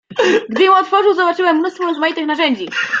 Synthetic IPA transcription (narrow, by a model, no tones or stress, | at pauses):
ɡd̪ɘjɛ̃w̃ɔt̪fɔʐɘwzɔbat͡ʂɘwɛmːnust̪fɔɾɔzmajit̪ɘxnaʐɛɲd͡ʑi